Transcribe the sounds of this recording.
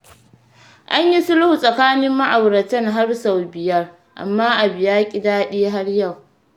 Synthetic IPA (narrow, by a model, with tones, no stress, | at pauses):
ʔa˦ɲji˦sʊ˦lʊ˦hu˨sʼɐ˨kaː˦nɪ˦mːa˦ʔa˨wɾɐ˨tɐ˦ŋɦa˦rsa˨wbɪ˨jɐ˦r | ʔa̰˨mːaː˦ʔa˨bɪ˨jaː˦kʲʼɪ˦daː˦ɗeː˦ɦa˦rja˦˨w